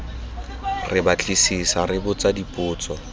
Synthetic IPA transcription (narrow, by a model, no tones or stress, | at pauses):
rɪbat͡ɬʼisisarɪbʊt͡sadipʼʊːt͡sʼɔ